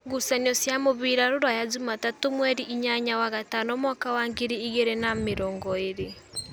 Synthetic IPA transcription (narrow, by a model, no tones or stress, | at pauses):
ɡusanɔsjamoβiɾaɾoɾwajazumatatomwɛɾiʔiɲaɲawaɣatanɔmwakawaŋɡeɾiiɣeɾenameɾɔːŋɡɔeɾe